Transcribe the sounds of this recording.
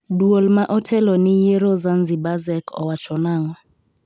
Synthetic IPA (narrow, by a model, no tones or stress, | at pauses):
duɔlmaʔɔtʰɛlɔnijɛɾɔzand͡zibazɛkʰɔ̰wat͡ʃʰɔnaːŋwɔ